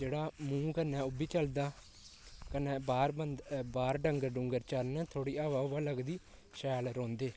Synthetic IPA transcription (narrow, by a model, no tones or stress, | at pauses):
d͡ʒeːɽaːmũːkənɛ̃ːʊbiːt͡ʃəld̪aː | kənɛ̃ːbaːɾbənd̪baːɾɖəŋɡəɾɖʊŋɡəɾt͡ʃəɾnət̪ʰoːɽiːaːʋaːʋaːləɡd̪iː | ʃɛːlɾõːnd̪eː